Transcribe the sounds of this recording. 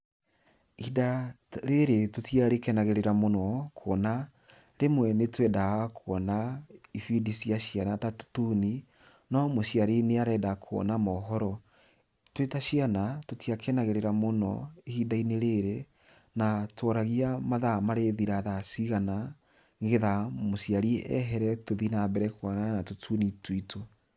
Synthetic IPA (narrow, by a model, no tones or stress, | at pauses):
ida | ɾeɾetotjaɾekɛnaɣeɾeɾamonɔkʰona | ɾemwɛnetwɛdaɣakʰoɔnaifidisiaɕianatatu̥tuni | nɔmoɕiaɾeneaɾɛdakʰwɔ̰namɔɦɔɾɔ | twetaʃianatotiakʰɛnaɣeɾeɾamonɔ̰ehidaineɾeɾe | natɔɾaɣiamaðamaɾeðiɾaðasiɣana | ŋɡeðamosjaɾiɛ̰ɦɛɾɛtoðinabɛɾɛkwɔnanatotʰunitwuito